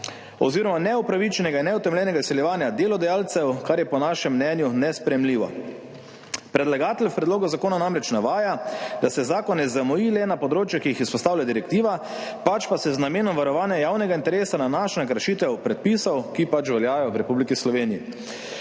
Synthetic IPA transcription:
ɔ̰ziːɾɔmanɛupɾaʋit͡ʃɛnɛɡainːɛut̪ɛmlʲɛnɛɡaisɛljɛʋaːnjad̪eːlɔd̪ajaːlt̪sɛwkaɾjɛpɔnaːʃɛmːnɛnjunɛspɾɛjɛmliːʋɔ̰ | pɾɛd̪laɡaːt̪ɛlʲfpɾɛd̪loːɡɔzakoːnanamɾɛt͡ʃnaʋaːjad̪asɛzaːkɔnɛzamɔjilɛnapɔd̪ɾoːt͡ʃjɛkiixispɔst̪aːwlʲjad̪iɾɛkt̪iːʋa | pat͡ʃpasɛznameːnɔmʋaɾɔʋaːnjajawnɛɡaint̪ɛɾeːsananaʃnakɾʃiːt̪ɛwpɾɛt̪̚pisɔwkipat͡ʃʋɛljaːjɔwɾɛpublikislɔʋeːnijḭ

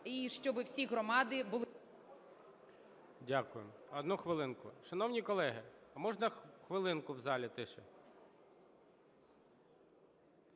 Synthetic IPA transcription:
iʃt͡ʃɔbɪwsʲiɦɾɔmɑd̪ɪbʊlˠ | dʲakʊjemɔd̪nuxʋɪlˠɪnkʊ̰ʃɐnɔwnʲikɔlˠɛɦɪɐmɔʒnɐxʋɪlˠɪnkʊwzɑlʲit̪ɪʃɛ

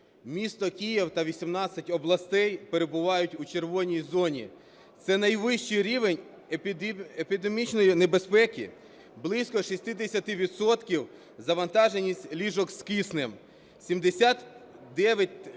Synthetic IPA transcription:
mʲist̪ɔkʲijiwt̪ɐʋʲisʲimnɑt͡sʲːɐtʲɔblˠɐst̪ɛjpe̞ɾe̞bʊʋɑjʊtʲut͡ʃe̞rʋɔnʲijzɔnʲḭ | t̪sɛnɐjʋɪʃt͡ʃɪjɾʲiʋenʲ | epʲid̪emʲit͡ʃnɔjinebe̞spɛkʲḭ | blˠisʲkɔʃisʲt̪ɪd̪esʲɐt̪ɪʋʲid̪sɔt̪kʲiw | zɐʋɐnt̪ɑʒenʲisʲtʲlʲiʒɔkskisnɪm | sʲimd̪esʲat̪d̪ɛʋʲjɐt̚ʲ

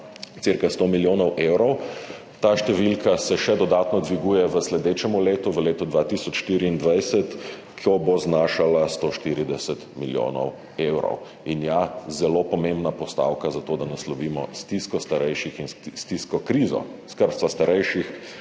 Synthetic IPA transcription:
t̪siɾkast̪omiljoːnɔwʔewɾɔw | t̪aːʃt̪ɛʋilkʰasɛʃɛd̪ɔd̪at̪nɔd̪ʋiɡuːjɛʋəslɛd̪eːt͡ʃɛmuleːt̪uʋəleːt̪ɔd̪ʋat̪isɔt͡ʃʃt̪iːɾiːnd̪ʋajsɛt̪ | kʰɔboznaːʃalast̪oːʃt̪iːɾid̪ɛsɛt̪miljo̰ːnɔ̰w | ewɾɔ̰w | injazɛlopɔmẽmbnapɔst̪a̰wkazat̪oːd̪anaslɔʋiːmɔ̰st̪iskɔst̪aɾɛjʃixinst̪iskɔkɾiːzɔ̰skəɾsʋast̪aɾɛjʃix

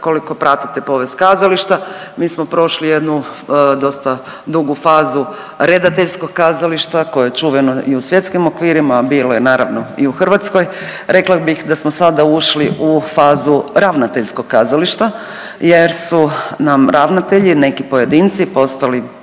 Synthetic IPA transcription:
ko̞liko̞pɾat̪it̪epo̞ʋest̪̚kaːzaliʃt̪amiːsmo̞pɾo̞ʃlije̞d̪nud̪o̞st̪a | d̪uɡufaːzu | ɾed̪at̪eʎsko̞ɡ̚kaːzaliʃt̪akojejet͡ʃuːʋenoʔiusʋje̞t̪skimo̞kʋiːɾimabiːlojenaːɾa̰ʋno̞iuxr̩ʋat̪sko̞jɾe̞klˠabixd̪asmosad̪auʃliʔufaːzuɾaʋnat̪e̞ʎsko̞ɡ̚kazaliʃt̪a | jeɾsunamɾaʋnat̪eʎine̞kipoje̞d̪int̪sipo̞st̪ali

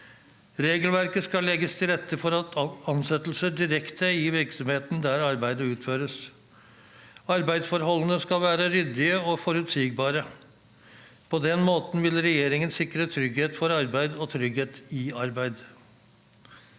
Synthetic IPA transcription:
ɾeːɡəlʋæɾkəskɑlɛɡəst̪ʰɪlɾɛt̪ʰːəfɔɾɑt̪ɑnsɛt̪l̩səɖɪɾɛkt̪ʰəjiːʋɪɾksɔmheːt̪n̩d̪æɾɑɾbæɪd̪əʉːt̪føːɾəs | ɑɾbæɪd̪sfɔɾɦɔlːənəskɑʋæːɾəɾʏd̪ɪəɔfɔɾʉt̪siːɡ̚bɑːɾə | pʰɔd̪ɛnmoːt̪n̩ʋɪlɾɛjeːɾɪŋənsɪkːɾət̪ʰɾʏɡheːt̪fɔɾɑɾbæɪd̪ɔt̪ʰɾʏɡheːt̪ɪɑɾbæɪd̪

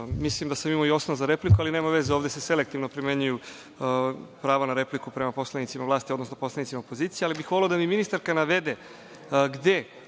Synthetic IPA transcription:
mislimd̪asamimoio̞snozaɾe̞plikualine̞ːmaʋe̞zeoːvd̪esese̞lek̚t̪ivnopɾime̞ɲuju | pɾaːʋonaɾe̞plikupɾe̞mapo̞slˠanit̪imalˠaːst̪iod̪nosnoposlanit̪simaopo̞ziːt̪sijealibixʋo̞leod̪amiminist̪aɾkanaʋe̞d̪e | ɡd̪e̞

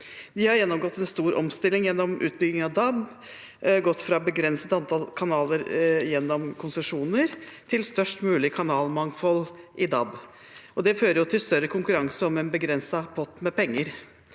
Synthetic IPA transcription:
d̪ɪhɑɾjɛnːɔmɡɔt̪ːɛnst̪uːɾʔɔ̰mst̪ɪlːɪŋjɛnːɔmʔʉ̰ːt̪̚bʏɡɪŋɑʋd̪ɑb | ɡɔt̪ːfɾɑbəɡɾɛnsət̪ɑnt̪ʰɑlkʰɑnɑːləɾjɛnːɔmkʰʊnsəʂuːnəɾt̪ʰɪlst̪œʂʈmʉːlɪkʰɑnɑːlmɑŋfɔlʔɪd̪ɑb | ʔɔd̪ɛføːɾəɾjʊt̪ʰɪlst̪œɾəkʰʊŋkʉɾɑŋsəɔmɛnbəɡɾɛnsɑpʰɔt̪ːmɛpʰɛŋːəɾ

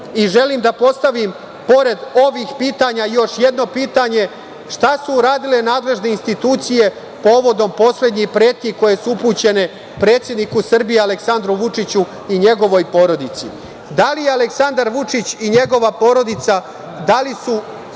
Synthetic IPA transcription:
iʒe̞liːmd̪apo̞st̪aʋim | po̞ɾe̞d̪o̞ʋixpiːt̪aɲajo̞ʃje̞d̪no̞piːt̪aɲe̞ | ʃt̪asuːɾaːd̪ile̞naːd̪le̞ʒne̞inst̪it̪uːt̪sije̞ | po̞ːʋo̞d̪o̞mpo̞sle̞d̪ɲipɾeːt̪̚kiko̞je̞suupuːt͡ɕe̞ne̞ | pɾe̞ːt̪sʲje̞d̪nikusr̩bijealeksand̪ɾuʋut͡ʂit͡ɕu | iɲe̞ɡo̞ʋo̞jpo̞ɾo̞d̪it̪sḭ | d̪alijealeksand̪aɾʋut͡ʂit͡ɕiɲe̞ɡo̞ʋapo̞ːɾo̞d̪it̪sa | d̪alisu

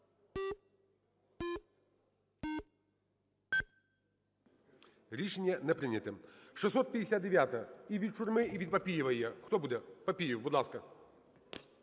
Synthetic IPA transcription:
lʲiʂnʲɛnɛpɾɪnʲɐt̪ɨmʂɨsːɔt̪̚pʲɐd̪ʲɪsʲat̪d̪ɪʋʲjat̪ɐiʋʲit̪̚t͡ʃʊrmɪiʋʲid̪̚pɐpʲijɪʋɐjɛxt̪ɔbud̪ɛpɐpʲijɪwbʊd̪lˠaskɐ

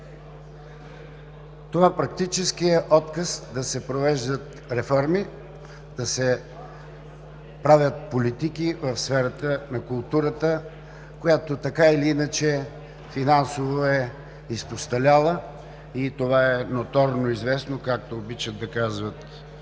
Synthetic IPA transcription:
t̪ovapɾɐk̚t̪it͡ʃɛskiɛʔɔt̪kəsd̪ɐsɛpɾovɛʒd̪ət̪ | ɾɛfɔɾmi | d̪̥ɐsɛ | pɾavʲjət̪̚polit̪ikivəfsfɛɾət̪ənɐkʊlˠt̪uɾət̪ə | kojat̪ot̪ɐkailiinət͡ʃɛ | finansovoɛ | ispost̪ɐlʲalˠə | it̪ovaɛnot̪ɔɾnoizvɛsnokak̚t̪oːbit͡ʃəd̪̚d̪ɐkazvət̪

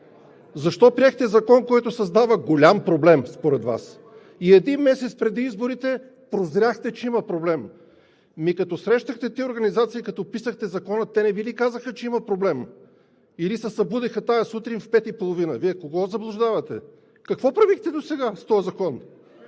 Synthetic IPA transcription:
zɐʃt̪ɔpɾiɛxt̪ɛzɐkɔnkɔjt̪ʊsɐzd̪avəɡolʲampɾoblɛmspoɾɛd̪va̰s | iɛd̪inmɛsɛt̪spɾɛd̪iizboɾit̪ɛ | pɾozɾʲjaxt̪ɛt͡ʃɛimɐpɾoblɛmː | ikɐt̪ɔsɾɛʃt̪əxt̪ɛt̪ioɾɡɐnizat̪sijəkɐt̪ɔpisəxt̪ɛzɐkɔnət̪ːɛnɛvilikazəxət͡ʃɛimɐpɾoblɛm | ilisɛsɐbud̪ixət̪ajəsut̪ɾinfpɛt̪ipolˠovinəviɛkoɡɔzɐblˠʊʒd̪avɐt̪ɛ | kɐkvɔpɾɐvixt̪ɛd̪osɛɡast̪ɔjəzɐkɔn

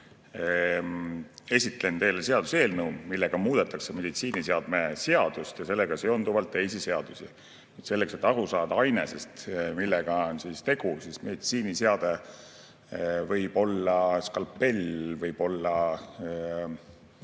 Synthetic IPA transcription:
e̞sʲit̪ˑle̞nt̪e̞jlese̞ɑd̪̥u̥se̞ːlnəumilːeɡ̥ɑmuːd̪̥et̪ːˑɑkse̞me̞d̪̥it̪siːniseɑd̪̥meseɑd̪̥ust̪jɑse̞lːeɡ̥ɑseond̪uvɑlt̪ːe̞jsise̞ɑd̪̥usḭ | nyt̪se̞lːekse̞t̪ːˑɑɾusɑːd̪ɑɑjne̞sest̪milːɛɡ̥ɑonsiːst̪e̞ɡ̥usisme̞d̪it̪siːniseɑd̪̥e | vɤjb̥o̞lːɑskɑlpːe̞lvɤjb̥o̞lːɑ

